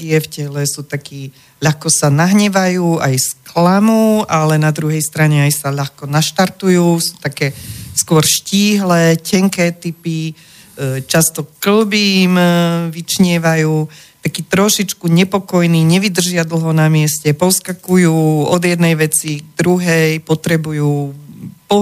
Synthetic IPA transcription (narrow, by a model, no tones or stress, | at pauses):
ɛfcɛlɛsuːt̪akiː | ʎaxkɔsanaɦɲɛʋajuːajsklamuːalɛnad̪ɾuɦɛjst̪ɾaɲɛajsaʎaxkɔnaʃt̪aɾt̪ujuːsu̥t̪akɛːskʊɔɾʃciːɦlɛːcɛŋkɛːt̪ipi | t͡ʃast̪ɔkl̩bimʋit͡ʃɲɪɛʋajuːt̪akiːt̪ɾɔʃit͡ʃkuɲɛpɔkɔjniːɲɛʋid̪r̩ʒɪad̪l̩ˠɦɔnamɪɛscɛpɔskakujuːɔd̪jɛd̪nɛjʋɛt͡siɡd̪ɾuɦɛjpɔt̪ɾɛbujuːpɔ